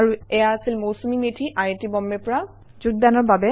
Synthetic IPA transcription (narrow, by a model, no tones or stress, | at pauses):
aɹuɛjaasilmowsumimetʰiʔajetibɔmːɛpɔɹa | zuɡ̚danɔɹbabɛ